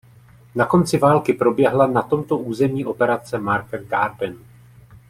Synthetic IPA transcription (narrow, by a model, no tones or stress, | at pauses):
nako̞nt͡sɪvaːlkɪpɾo̞bjɛɦlanat̪o̞mt̪o̞ʔuːzɛmɲiːʔo̞pɛɾat͡sɛmaɾkaɡaːɾbɛn